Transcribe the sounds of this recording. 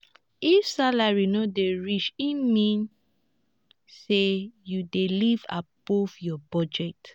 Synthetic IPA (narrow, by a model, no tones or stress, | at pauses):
ifsalaɹinodeɹit͡ʃĩnmĩn | sejudeliva̰b̥ɔvjɔbɔd͡ʒɛt